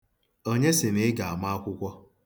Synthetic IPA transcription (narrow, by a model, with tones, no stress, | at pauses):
o˦ɲe˦sɪ˨ne˦ɡa˨a˨ma˦a˦kʷʊ˦kʷɔ˦